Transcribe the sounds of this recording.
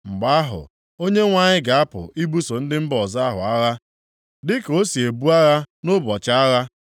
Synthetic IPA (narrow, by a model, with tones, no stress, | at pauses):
ŋ͡m̩˨ɡ͡ba˦a˦ɦʊ̰˨ | o˦ɲe˦ŋʷa˦ɲɪ˦ɡa˨a˦pʊ̰˨i˦bu˦so˨n̩˦dɪ˦m̩˦bɔ˨za˦ɦʊ̰˨a˦ɣa˦ | dɪ˦ko˦si˨e˨bu˦a˦ɣa˦no˦bɔ˨t͡ʃa˦ɣa˦